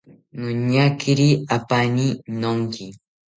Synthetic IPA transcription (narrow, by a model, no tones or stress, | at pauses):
nʊɲakʰiɾiapaninoŋki